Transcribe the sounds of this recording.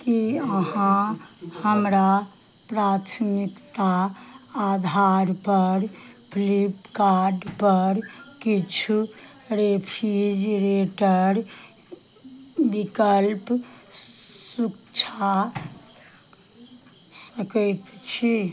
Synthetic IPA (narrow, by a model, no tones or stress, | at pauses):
kiəɦãhəmɾa | pɾat̪ʰmikt̪aː | d̪ʱaɾpəɾpʰlipkaɾɖpəɾkit͡ʃʰu | ɾepʰid͡ʒɾeʈəɾ | bikəlp | sukt͡ʃʰa | səkɛjt̪t͡ʃʰi